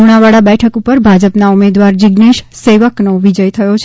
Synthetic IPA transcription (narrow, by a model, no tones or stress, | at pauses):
uɽ̃aʋaɭabɛʈʰəkupəɾbʱad͡ʒəpnaumed̪ʋaɾd͡ʒɪɡneʃseʋəknoʋid͡ʒəjt̪ʰəjot͡ʃʰ